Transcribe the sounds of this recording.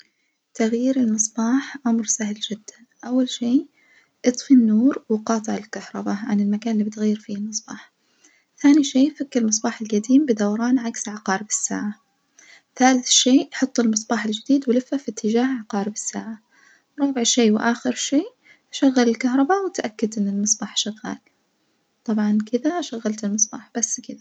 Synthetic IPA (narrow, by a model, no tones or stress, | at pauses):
t̪aɣjiːɾɪlmɨsˤbɑːħʕamɾsahɪld͡ʒɪd̪ːanʔawːalʃeː | ʔɨt̪ˤfinːuːɾwɪqɑːt̪ˤɨʕɪlkahɾˤɑbaʕanɪlmakaːnɪlːiːbɪt̪ɣajːɪɾfiːhɪlmɨsˤb̥ɑːħ | θaːniʃeːfakːɪlmɨsˤbɑːħɪlɡad̪iːmbɪd̪awɑɾˤɑːnʕaksʕaqɑːɾɪbɪsːa̰ːʕa | θaːlɪθʃeːħʊt̪ˤːɪlmɨsˤbɑːħɪld͡ʒɪd̪iːd̪wɪlɪfːafit̪ʰːɪd͡ʒaːhʕaqɑːɾɪbɪsːaːʕa | ɾˤɑːbɪʕʃeːwʔaːxɪɾʃeː | ʃaɣːalɪlkaɦɾˤɑbaʔwɪt̪ʔakːad̪ʔɪnːɪlmɨsˤbɑːħʃaɣːa̰ːl | t̪ˤɑbʕɑnkɪd̪aʃaɣːalt̪ɪlmɨsˤbɑ̰ːħb̥asːkɪd̪a